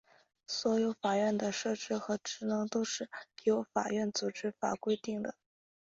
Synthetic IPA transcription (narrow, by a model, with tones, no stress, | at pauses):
swɔ˧˥jo˧˥ʊfa˨˩ɥɛ˥˩nd̪ə˩ʂɤ˥˩ʈ͡ʂɻ̩˥xɤ˧˥ʈ͡ʂɻ̩˧˥nɤ˧˥ŋt̪o˥ʊʂɻ̩˥˩jo˧˥ʊfa̰˨˩ɥɛ˥˩nt͡su˨˩ʈ͡ʂɻ̩˥fa̰˨˩kwe˥ɪt̪i˥˩ŋd̪ə˩